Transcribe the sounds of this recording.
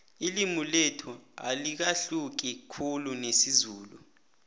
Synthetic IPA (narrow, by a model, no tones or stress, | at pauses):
ilimuletʰua̰lik̬aɬuk̬ikʰulunesizuːlu